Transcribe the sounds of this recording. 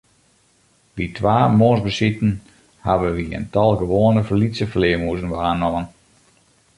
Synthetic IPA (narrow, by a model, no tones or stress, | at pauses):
ʋitʰʋaːmoːnsbəsitn̩ | haʋəʋiə̰ntɔlˠɡəʋoːənəfərlisəfəlɪəmuəzənʋaːnɔmən